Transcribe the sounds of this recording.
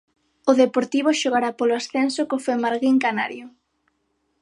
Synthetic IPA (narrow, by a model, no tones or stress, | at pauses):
ʊðepoɾt̪iβ̞oʃoɣ̞aɾapoloasθensʊkofemaɾɣiŋkana̰ɾjʊ